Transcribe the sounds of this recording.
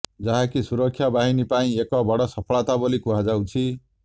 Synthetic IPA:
d͡zaɦãkisuɾʌkʰːjabaɦinipaĩekʌbʌɽʌsʌpʰʌɭat̪abʌlikuɦad͡zaw̃t͡sʰi

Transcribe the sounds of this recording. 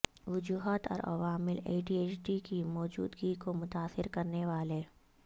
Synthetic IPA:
ʋʊd͡ʒuːɦət̪ɔ̰ːɾʔɐ̰ʋaːmɪlḛːʈiːeːt͡ʃɖikimɔːd͡ʒṵːd̪ɡikomʊt̪aːsɪɾkɐɾneʋaːle

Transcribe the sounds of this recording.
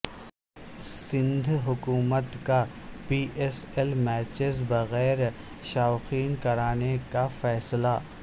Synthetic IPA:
sɪ̃nd̪ʱɦʊkuːmət̪ka | piːʔeselmɛːt͡ʃɪzbɐɣɛːɾ | ʃaːxiːnkɐɾaːnekafɛːsla

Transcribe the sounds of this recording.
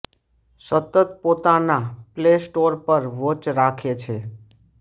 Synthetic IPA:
sət̪ət̪̚pot̪anaplesʈoɾpəɾʋot͡ʃɾakʰet͡ʃʰe

